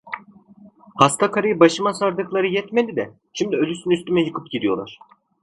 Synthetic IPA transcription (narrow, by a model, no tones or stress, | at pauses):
hast̪ʰakʰaɾɯjɯbaʃɯmasaɾd̪ɯklˠaɾɯjɛt̪melʲid̪ɛ | ʃimd̪iølʲysynyst̪ymɛjɯkʰɯpɟid̪ijo̞lˠa̰ɾ̥